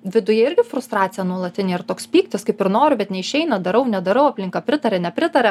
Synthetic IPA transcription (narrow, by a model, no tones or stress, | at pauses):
ʋʲɪd̪ʊjɛɪɾʲɡʲɪfɾʊst̪ɾɑːt̪sʲɪjɛnuɔlˠɐt̪ʲɪnʲeːɪɾrt̪oːkspʲiːkt̪ʲɪskɐɪpɪɾnoːɾʲʊbʲɛt̪nʲɛɪʃʲɛɪnɐd̪ɐɾɐʊnʲɛd̪ɐɾɐʊɐpʲlʲɪŋkɑpʲɾʲɪt̪ɐɾʲɛnʲɛpʲɾʲɪt̪ɐɾʲɛ